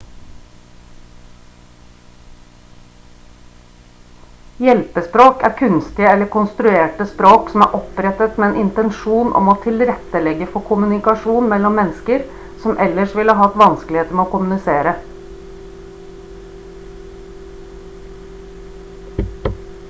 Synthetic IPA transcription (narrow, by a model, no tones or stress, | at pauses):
jɛlpəspɾoːkæ̰ːɾkʰʉnst̪ɪəɛləkʰʊnst̪ɾʉeːʈəspɾoːksɔm̩æ̰ːɾʔɔpɾɛt̪ət̪meːeːnʔɪnt̪ɛnʃuːnʔɔ̰moːt̪ʰɪlɾɛt̪ːəlɛɡəfɔkʰʊmʉnɪkɑʃuːnmɛlːɔmːɛnskəɾ | sɔmʔɛləʂʋɪləɦɑt̪ʋɑnsklɪheːt̪əmeːoːkʊmʉnɪseːɾə